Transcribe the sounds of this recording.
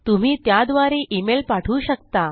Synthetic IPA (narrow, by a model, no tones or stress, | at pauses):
t̪um̤iːt̪jad̪ʋaɾeʔimelpaʈʰuːɕəkt̪a